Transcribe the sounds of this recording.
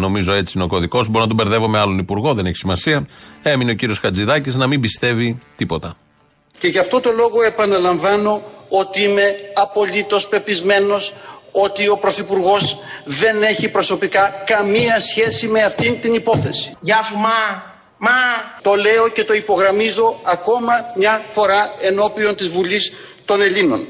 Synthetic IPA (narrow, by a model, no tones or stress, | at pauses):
no̞mizo̞e̞t͡siino̞ko̞ðiko̞zbo̞ɾinɐt̪obe̞ɾðe̞vo̞meɐlo̞nipuɾɣo̞ðe̞ne̞çi̥simɐsiɐe̞mineo̞ciɾiosxɐd͡ziðɐciznɐmimbist̪e̞vit̪ipo̞t̪ɐ | ce̞ʝɐft̪o̞t̪o̞lo̞ɣo̞e̞pɐnɐlɐɱvɐno̞o̞t̪iime̞ɐpo̞ʎit̪o̞spe̞pizme̞no̞so̞t̪io̞pɾo̞θipuɾɣo̞zðe̞ne̞çipɾo̞so̞pikɐkɐmiɐsçe̞sime̞ɐft̪int̪inipo̞θe̞si̥ʝɐsumɐ | mɐt̪o̞le̞o̞ce̞t̪o̞ipo̞ɣɾɐmizo̞ɐko̞mɐmɲɐfo̞ɾɐe̞no̞pio̞nt̪izvulist̪o̞ne̞ʎino̞̰n